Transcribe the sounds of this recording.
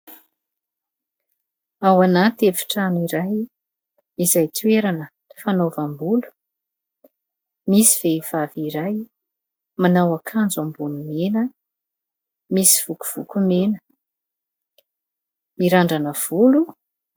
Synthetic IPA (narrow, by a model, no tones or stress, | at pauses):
awanat̪efi̥ʈ͡ʂaniɾaj | izajt̪ʰweɾanə | ifanovambulu̥ | misiv̥eiv̥aviɾaj | manawakʰand͡zambunumenə | misi̥v̥uku̥v̥ukumenə̥ | miɾaɳɖ͡ʐanəv̥ulu